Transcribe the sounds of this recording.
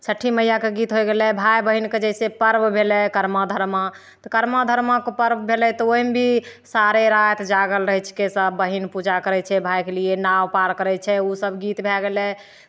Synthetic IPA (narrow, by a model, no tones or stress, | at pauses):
t͡ʃʰəʈʰːiməjakeɡit̪ɦojɡelɛbʱajbəɦinked͡ʒɛsepəɾbbʱelɛkəɾmad̪ʱəɾma | t̪ɔkəɾmad̪ʱəɾmakopəɾbbʱelɛt̪ɔomebʱisaɾeɾat̪d͡ʒaɡəlɾəɦɛt͡ʃʰkesəbːəɦinpud͡ʒakəɾɛt͡ʃʰɛbʱajkelienawpaɾkəɾɛt͡ʃʰɛusəbʱɡit̪bʱɛɡelɛ